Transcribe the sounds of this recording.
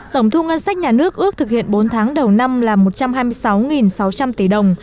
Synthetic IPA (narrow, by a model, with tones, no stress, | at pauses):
t̪ə˧˩wŋ͡mt̪ʰu˧ŋə˧nsa˦˥k̟̚ɲaː˨˩nɨ˦˥ək̚ʔɨ˦˥ək̚t̪ʰɨ˨˩k̚hḭ˧˨ənɓo˨˦nt̪ʰaː˨˦ŋɗə˨˩wna˧mlaː˨˩mo˨˩t̚t͡ɕa˧mhaː˧jmɨ˧əjsa˨˦wŋi˨˩nsa˨˦wt͡ɕa˧mt̪i˧˩ɗə˨˩wŋ͡m